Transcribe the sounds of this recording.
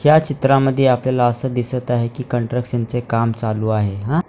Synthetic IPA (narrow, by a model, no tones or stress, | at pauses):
hjat͡ɕit̪ɾaməd̪ʱːjeapljalaəsəːd̪isət̪aɦekiːkəɳʈɾəkʂənt͡sekamt͡saluːaɦeɦã